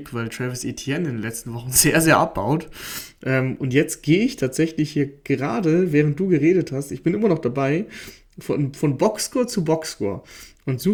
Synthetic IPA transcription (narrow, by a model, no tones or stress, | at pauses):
pvaɪltʁ̥ɛvəsetʰiɛnɪndenlɛt͡stn̩vɔχn̩zeːɐzeːɐʔap̚b̥a̰ʊtʔɛːmʔʊntjɛt͡st̚ɡ̥eːəɪçtʰaːtz̥ɛçlɪçhiːɐɡ̥əʁaːdəvɛːʁ̞ənt̚d̥uːɡəʁeːdəthastɪçb̥ɪnʔɪmɐnɔχd̥abaɪ | fɔnfɔnbɔkskoːɐt͡subɔkskɔ̰ːɐʔʊntz̥uː